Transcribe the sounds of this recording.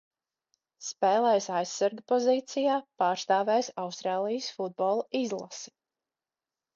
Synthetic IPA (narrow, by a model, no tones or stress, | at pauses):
spɛːlˠɛːjsajsːaɾɡpɔziːt̪sijaːpaːɾst̪aːvɛːjsawst̪ɾaːlˠijəsfud̪̚bɔːlˠaizlˠa̰si̥